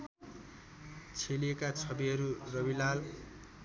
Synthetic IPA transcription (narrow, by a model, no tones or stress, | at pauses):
t͡sʰeliekat͡sʰʌbiɦʌɾurʌbilal